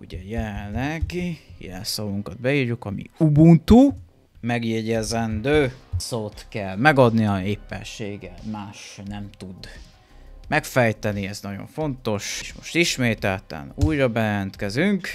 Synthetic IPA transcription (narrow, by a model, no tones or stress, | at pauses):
uɟɛjɛlɛnllɛɡijɛ̰lɛ̰nsɒluŋkɒd̪̚bɛjiːrjukɒmḭubunt̪u | mɛɡjɛɟɛzɛnd̪øːsoːt̪kɛlmɛɡɒd̪niɒeːpːɛ̰nʃeːɡɛlmaːʃnɛmt̪ud̪ | mɛkfɛjt̪ɛniɛznɒɟo̞̰ɱfo̞nt̪o̞ʃʃmo̞̰ʃt̪iʃmeːt̪ɛlt̪ɛ̰nuːjɾɒbɛjlɛnt̪kɛzyŋk